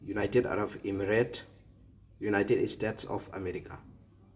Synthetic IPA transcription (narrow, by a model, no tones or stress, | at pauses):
junajteda̰ɾabɛmiɾɛt | junajtedstetsɔ̰fa̰mɛɾikʰa̰